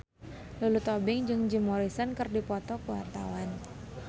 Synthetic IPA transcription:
lulut̪ɔbɪŋd͡ʒɨŋd͡ʒimoɾisənkɨrdipɔt̪ɔkəwart̪a̰wan

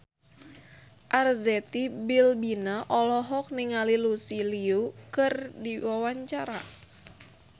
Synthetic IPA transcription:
ʔarzɛt̪ibilbinaʔɔlɔɦɔk̚niŋalilusiliukɨrdiwawaɲt͡ʃaɾa

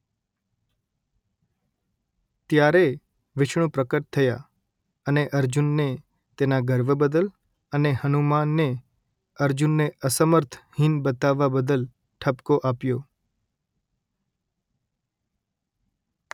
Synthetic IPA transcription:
t̪jaɾe | ʋɪʃɳ̃ũpɾəkəʈ̚t̪ʰəja | əneʔəɾd͡ʒunːe | t̪enaɡəɾʋəbəd̪əl | ənehənumanːe | əɾd͡ʒunːeʔəsəməɾt̪ʰhinbət̪aʋːabəd̪əl | ʈʰəpkoʔapjo

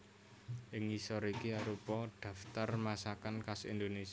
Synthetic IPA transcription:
ʔɪŋisɔɾikiaɾupɔɖ̪̥a̤ft̪armasakankasḭnd̪ones

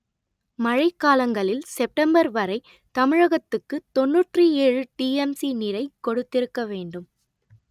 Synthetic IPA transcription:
mɐɻɐɪkːaːlɐŋɡɐɭɪlsɛp̚ʈɐmbɐɾʋɐɾɐɪ | t̪ɐmɪɻɐɣɐt̪ːɯkːɯt̪ɔnːuːʈrɯeːɻɯʈiːɛmsinɪɾɐɪkːɔɽɯt̪ːɪɾɯkːɐʋeːɳɖɯm

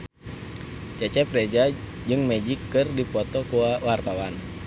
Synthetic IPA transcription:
t͡ʃɛt͡ʃɛprɛd͡ʒa | d͡ʒɨŋmɛd͡ʒikːɨrdipɔt̪ɔkuawart̪awan

